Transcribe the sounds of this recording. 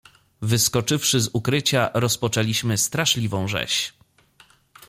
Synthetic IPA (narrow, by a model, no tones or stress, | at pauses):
vɘskɔt͡ʂɘfʂɘzukɾɘt͡ɕaɾɔspɔt͡ʂɛlʲiɕmɘst̪ɾaʂlʲivɔ̃w̃ʐɛ̰ɕ